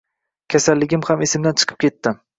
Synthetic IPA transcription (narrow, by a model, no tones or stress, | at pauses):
kʲʰasalːɪɡʲɪmhamesɪmd̪ant͡ʃʰɨ̥qʰɨ̥p̚kʲe̞t̪ːɪm